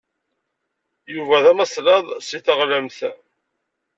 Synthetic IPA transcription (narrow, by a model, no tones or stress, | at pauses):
juvæðæməsˤlɑðˤsiθəʁləmθ